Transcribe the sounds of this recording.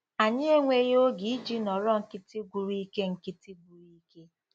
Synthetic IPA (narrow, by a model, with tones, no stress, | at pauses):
a˨ɲɪ˦e˦ŋʷe˦jo˦ɡi˨i˦d͡ʒi˦nɔ˨ɾɔ˦ŋ̩˨kɪ˦ti˦ɡʷu˨ɾi˦ke˦ŋ̩˨kɪ˦ti˦ɡu˨ɾi˦ke˦